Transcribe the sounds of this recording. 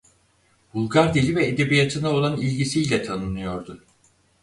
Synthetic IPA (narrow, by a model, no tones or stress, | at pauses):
b̥ulˠɡaɾd̪ilʲivɛed̪e̞bijat̪ʰɯnao̞lˠanilʲɟisijlʲɛt̪ʰanɯnɯjo̞ɾd̪ʊ